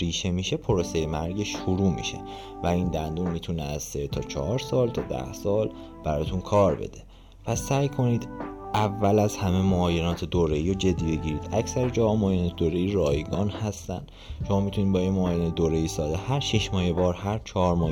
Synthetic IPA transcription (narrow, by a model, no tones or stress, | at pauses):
ɾiːʃe̞miːʃe̞pʰo̞ɾosejemæɾɟeʃːuɾuːmḭʃe | væiːnd̪ænd̪uːnmit̪ʰuneæz̥set̪ʰɒːt͡ʃʰɒ̰hɒːɾsɒːlt̪ʰɒːd̪æ̰hsɒːl | b̥æɾɒːt̪ʰunkʰɒːɾbe̞̰d̪̥e | pʰæsæːjkʰo̞niːd̪ʔævːælæzhæmemoɒːjenɒːt̪ʰed̪oɾeiːɾod͡ʒe̞d̪ːiːbe̞ɟiːɾiːd̪æcʰsæɾed͡ʒɒhɒːmoːjenɛt̪ʰed̪oːɾeiːɾɒːjɡɒːnhæst̪æ̰nd̪̥ | ʃomɒːmit̪ʰuniːd̪bɒːjinmoːjened̪oɾeiːsɒːd̪ehæɾʃeʃmɒːhebɒːɾhæɾt͡ʃʰɒːɾmɒː